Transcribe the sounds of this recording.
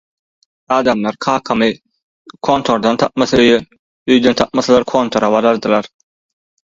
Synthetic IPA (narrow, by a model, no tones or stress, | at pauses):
ɑːd̪ɑmlˠɑɾkʰɑːkʰɑmɯ | kʰo̞ːnt̪ʰo̞ɾd̪ɑnt̪ʰɑp̚mɑθɑøjø | øjd̪ønt̪ʰɑp̚mɑθɑlˠɑɾkʰo̞ːnt̪ʰo̞ɾɑβɑɾɑɾd̪ɯlˠɑɾ